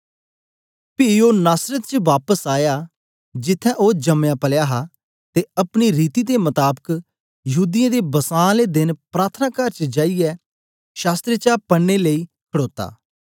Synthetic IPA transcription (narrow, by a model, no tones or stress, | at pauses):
pɪoːnaːsɾət̪t͡ʃəʋaːpəsaːjaː | d͡ʒɪt̪ʰːɛ̃ʔod͡ʒəmjãːpəljaːɦa | t̪eɐpɽ̃iɾiːt̪id̪emət̪aːbək | jəɦuːd̪ijãd̪ebəsãːled̪ɪnpɾaːt̪ʰnãːkəɾt͡ʃəd͡ʒaːijɛ | ʃaːst̪ɾət͡ʃapəɽːeləiː | kʰəɽoːt̪a̰ː